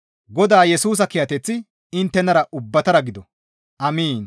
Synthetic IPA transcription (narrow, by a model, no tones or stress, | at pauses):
ɡɔd̪aːjɛsuːs̬ɐkɪjɐt̪ɛt͡sːɪ | ɪnt̪ːɛnɐɾɐʔʊbːɐt̪ɐɾɐɡɪd̪ɔ | ʔɐmiːn